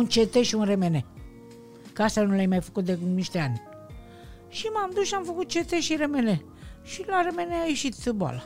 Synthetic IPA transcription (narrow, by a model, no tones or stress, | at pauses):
unt͡ʃet̪eʃiunre̞mene̞ | kəast̪anulajmajfə̥kut̪̚d̪eniʃt̪eanʲ | ʃimamd̪usʃiamfəkut̪̚t͡ʃe̞t̪eʃiɾe̞me̞ne̞ | ʃilaɾe̞me̞neaje̞ʃit̪boa̰la